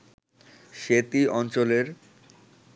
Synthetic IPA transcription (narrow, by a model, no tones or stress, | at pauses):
ʃet̪iɔnt͡ɕoleɾ